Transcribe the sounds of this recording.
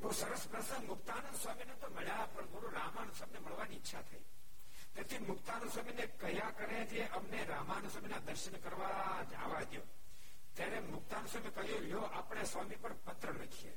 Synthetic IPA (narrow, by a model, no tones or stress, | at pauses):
ɦosəɾəspɾəsəŋmʊkt̪aːnənsʋaminet̪oməɭjapəɳmoɾũɾamanswamineməɭʋaniːtːʃʰat̪ʰəi | t̪et̪ʰimʊkt̪anəsaminekəjakəɾed͡ʒeʔəmneɾamanswaminad̪əɾʃəɳkəɾʋa | d͡ʒa̰ʋad̪jo | t̪jaɾemʊk̚t̪ansamikəɦjũjoʔapɳ̃esʋamipəɳpət̪ɾəɾəkʰiḛ